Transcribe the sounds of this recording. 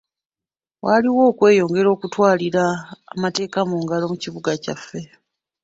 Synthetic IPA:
wʔaliwo̞ːkwe̞ːjo̞ːŋɡe̞ɾo̞ːkutwaːliɾaːmate̞ːkamuːŋɡalo̞muciβuɡacafːe̞

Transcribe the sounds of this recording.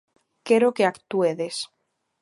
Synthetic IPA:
keɾokeakt̪ueðes

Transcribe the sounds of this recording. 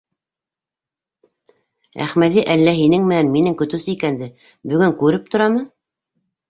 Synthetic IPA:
æ̰χmæðiʔælːæɦinɘŋmɘ̆nænminɘŋkɵ̆t̪ʉsɘikænd̪ɘ | bɵ̆ɡɵŋkʉɾɘp̚t̪ŏɾɑmɤ

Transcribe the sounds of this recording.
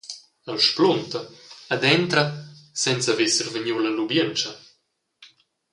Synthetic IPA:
alʃplunt̪ɐad̪ɛnt̪ɾɐsɛnt͡savesəɾvəɲuwlɐlubjənt͡ʃɐ

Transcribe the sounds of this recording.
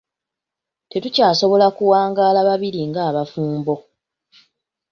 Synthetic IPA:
te̞tucaːso̞βo̞lakuwaːŋɡaːlaβaβiɾiŋɡaːβafuːmbo̞

